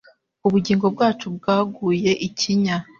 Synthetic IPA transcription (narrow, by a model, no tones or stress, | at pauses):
uβuɟiːŋɡo̞bɡaːt͡ʃub̚ɡaːɡuːje̞ʔicʰiɲa